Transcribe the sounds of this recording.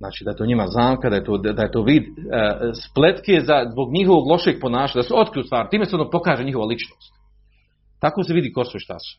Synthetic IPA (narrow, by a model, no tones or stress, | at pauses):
zaːt͡ʃiːd̪ajet̪oːɲimaznaːmkad̪ajet̪oːd̪d̪aet̪oːʋiːd̪splet̪kezazbo̞ɡɲihoʋoɡlˠo̞ʃe̞ɡ̚po̞naːʃaɲad̪aseo̞t̪kɾijust̪ʋaːɾɪt̪iːmeseonopo̞kaːʒeɲiɦo̞ʋalit͡ʃnoːst̪ | t̪akoseʋid̪iːko̞soʃt̪a̰su̥